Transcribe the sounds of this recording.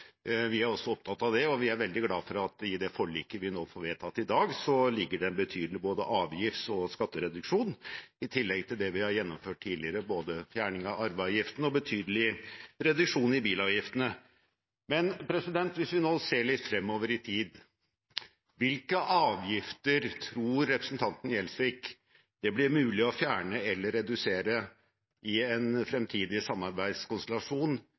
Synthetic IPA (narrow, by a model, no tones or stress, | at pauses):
ʋɪæɾɔsːɔɔp̚t̪ʰɑt̪ːɑʋd̪ɛɔʋɪæɾʋɛld̪ɪɡlɑːfɔɾɑt̪ɪd̪ɛfɔɭiːkəʋɪnoːfɔɾʋeːt̪ʰɑt̪ːɪd̪ɑːɡsɔlɪɡːəɖɛnbət̪ʰyːd̪əlɪboːd̪əʔɑːʋjɪft̪ɔskɑt̪ːəɾɛd̪ʉkʂuːnɪt̪ʰɪlːɛɡt̪ʰɪld̪ɛʋɪhɑɾjɛnːɔmføːʈ̚ʈʰːiːd̪lɪəɾəboːd̪əfjæːɳɪŋɑɑɾʋɑʋjɪft̪n̩ɔbət̪ʰyːd̪əlɪɾɛd̪ʉkʂuːnɪbiːlɑʋjɪft̪ənə | mɛnpʰɾɛsɪd̪ɛnt̪ʋɪsʋɪnoːseːɭɪt̪ːfɾɛmːoːʋəɾɪt̪ʰiːd̪ | ʋɪlkəʔɑːʋjɪft̪əɾt̪ʰɾuːɾːɛpɾəsnt̪ʰɑnt̪ən̩jɛlsʋɪkː | d̪̥ɛblɪɾmʉːlɪɔfjæːɳəɛlːəɾːɛd̪ʉseːɾə | ʔɪɛnfɾɛmt̪ʰiːd̪ɪsɑmːɑɾbæɪd̪skʊnst̪ɛlɑʂuːn